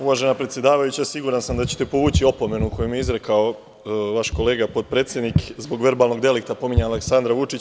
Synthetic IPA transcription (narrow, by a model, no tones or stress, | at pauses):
uʋaʒe̞napɾet̪je̞d̪aːʋajut͡ɕasiɡuɾansamd̪at͡ɕe̥t̪e̞po̞ʋuːt͡ɕio̞po̞me̞nukojumijeizɾe̞kao̞ | ʋaʃko̞le̞ːɡapo̞d̪̚pɾeːt̪sje̞d̪nikzbo̞ɡʋe̞ɾbaːlno̞ɡd̪e̞likt̪apo̞miɲaaleksand̪ɾaʋut͡ʃit͡ɕ